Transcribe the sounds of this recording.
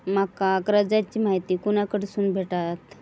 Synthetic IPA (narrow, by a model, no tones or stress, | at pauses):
makakɾəd͡zat͡ɕiːmaɦit̪iːkuñakəɽsuːnbʱeʈat̪